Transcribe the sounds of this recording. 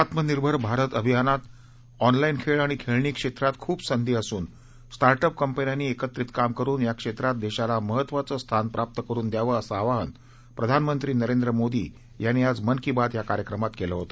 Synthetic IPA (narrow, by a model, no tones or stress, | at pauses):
at̪məniɾbʱəɾbʱaɾət̪əbʱijanat̪ | ɔnlainkʰeɭaɽ̃ikʰeɭɳiːkʂet̪ɾat̪kʰuːbsənd̪iːasuːn | sʈaɾʈəp̚kəmpənjanːiːekət̪ɾit̪kamkəɾuːnjakʂet̪ɾat̪̚d̪eɕalaməɦət̪ːʋat͡səst̪ʰanpɾʔap̚t̪əkəɾuːnd̪jaʋəːəsəːʋaɦən | pɾəd̪ʱanmənt̪ɾiːnəɾend̪ɾəmod̪ḭː | janːiad͡zmənkibad̪jakaɾjəkɾəmat̪keləɦot̪ə